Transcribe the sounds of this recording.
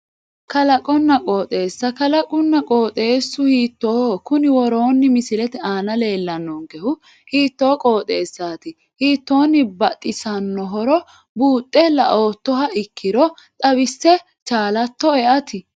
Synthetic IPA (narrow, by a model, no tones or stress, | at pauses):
kɐlɐkʼɔnːɐkʼoːt̪ʼe̞ːsːɐkɐlɐkʼʊnːɐkʼoːt̪ʼe̞ːsːʊhiːt̪ːoːhkʊnɪwɔɾoːnːɪmɪsɪlɛt̪ɛaːnɐle̞ːlːɐnːɔŋɡɛhʊ | hiːt̪ːo̞ːkʼo̞ːt̪ʼe̞ːsːaːt̪ɪ | hiːt̪ːo̞ːnːɪbɐt̪ʼːɪsɐnːɔɦɔɾɔ | buːt̪ʼːɛlɐʔo̞ːt̪ːɔɦɐʔɪkːɪɾɔt̪ʼɐbɪsːɛ | t͡ʃʼaːlɐt̪ːɔɛʔɐt̪ɪ